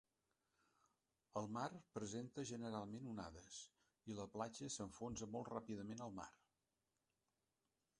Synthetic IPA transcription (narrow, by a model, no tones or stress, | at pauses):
əlˠmarpɾəzent̪əʒənəɾalˠmenuna̰ðəs | iləplad͡ʒəsəɱfonzəmɔlˠtrapiðəmenəlˠma̰r